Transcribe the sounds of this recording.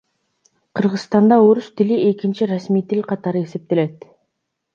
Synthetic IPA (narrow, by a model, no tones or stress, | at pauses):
qʰɯɾʁɯzst̪ɑnd̪ɑoɾust̪ɪlie̞kʲint͡ʃiɾasmijt̪ilʲqʰɑt̪ɑɾɯe̞se̞p̚t̪e̞le̞t̪